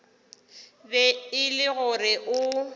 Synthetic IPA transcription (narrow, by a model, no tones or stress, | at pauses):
bɛɪlɪɣʊrɪʔʊ